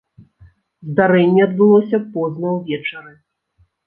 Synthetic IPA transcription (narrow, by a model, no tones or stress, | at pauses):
zd̪aɾɛnʲːɛɐd̪̚bɨlˠɔsʲɐpɔznɐwvʲɛt͡ʂɐɾɨ